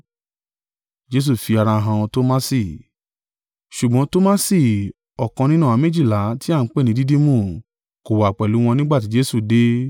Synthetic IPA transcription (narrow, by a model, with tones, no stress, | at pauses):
d͡ʒe˦s̬u˦˨fi˧a˧ɾa˧ɦã˧ɔ̃˧to˦ma˦si˦˨ | ʃu˨ɡ͡bɔ̃˨˦to˦ma˦si˦˨ | ɔ˨kã˧nĩ˦nã˦˨a˨˧˦mĩ˦d͡ʒi˦˨la˨˦ti˦a˦˨n̩˨˦k͡pe˦˨nĩ˧˦di˦di˦mũ˦˨ | ko˨wa˨k͡pɛ˨lu˨˦w̃ɔ̃˧nĩ˦ɡ͡ba˦˨t̬i˨˦d͡ʒe˦su˦˨de˦